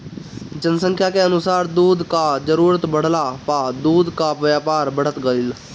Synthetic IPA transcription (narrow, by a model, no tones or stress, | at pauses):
d͡ʒənsə̃ŋkʰjaːkeənʊsaːɾd̪uːd̪kaːzəɾuːɾət̪bəɽ̤laːpaːd̪uːd̪kaːʋjaːpaːɾbʱəɽ̤ət̪ɡəlɪl